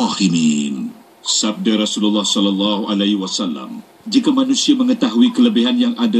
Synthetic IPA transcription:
himin | sab̚daɾasululːɑhsɔlɔlːɑɦuʔalaiwasalːa̰m | d͡ʒikamanusiaməŋət̪aɦuikələbiɦanjaŋʔada

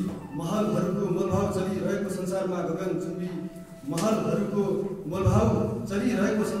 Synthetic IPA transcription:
mʌɦʌlɦʌɾukomʌlbʱawt͡sʌɾiɾʌɦekosʌnsarmaɡʌɡʌnt͡subi | mʌɦʌlɦʌɾukomʌlbʱawt͡sʌɾiɾʌɦekosʌ

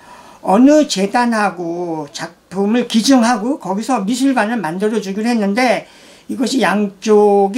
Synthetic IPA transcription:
ʌnɯt͡ɕe̞danɦaɡot͡ɕak̚pʰɯmɯɭkid͡ʑɯŋɦaɡokʌɡisʰʌmis̬ʰɯɭbanɯɭmandɯɾʌd͡ʑuɡiɾɦe̞nːɯnde̞ | iɡʌɕʰijaŋt͡ɕ͈oɡ

